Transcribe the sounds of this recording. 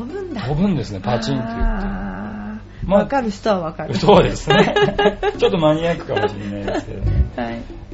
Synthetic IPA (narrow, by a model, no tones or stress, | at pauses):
obɯ̃nd̪akobɯ̟̃nd̪e̞sɨne̞pat͡ɕĩnt̪ːejɯt̪ːe | maakaɾɯ̟çi̥t̪oβaβakaɾso̞ːd̪e̞sɨnet͡ɕo̞t̪ːo̞maɲ̟iakɯ̟̥kammoɕḭnːaideske̞̰d̪oehai